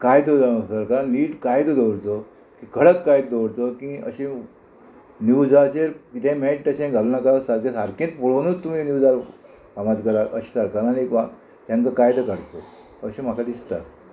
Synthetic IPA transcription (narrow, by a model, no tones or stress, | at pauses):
kajt̪od͡zasəɾkaɾaniːʈkajt̪od̪oɽt͡so | kikʰəɭəkːajt̪d̪oɽt͡s̪okĩə̰ɕẽ | njud͡zat͡ɕeɾkit̪ɛ̃meʈʈəɕɛ̃ɡʱalunakasaɾkẽsaɾkẽːt̪̚puɭonuːt͡st̪ːum̤iːnjud͡zal | pamat̪kəɾaʔəɕi̥səɾkaɾañika | t̪jãŋkakajt̪əkaɾt͡so | əɕẽm̤akad̪ist̪a